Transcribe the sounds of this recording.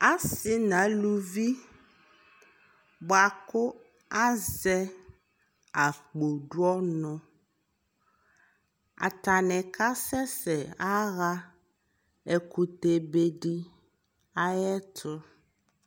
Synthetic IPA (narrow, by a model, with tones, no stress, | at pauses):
a˦sɪ˨nã˨˦lu˦vi˦ | ba˨kʊ˦ | a˦zɛ˦ | a˨k͡po˨ɖu˦ɔ˦nɔ̃˨ | a̰˨t̪a˨nɛ̃˨ka˦sɛ˦sɛ˨a˦ɣa˦ | ɛ˨ku˨t̪e˨be˦ɖi˦ | a˦jɛ˦t̪ʰʊ˦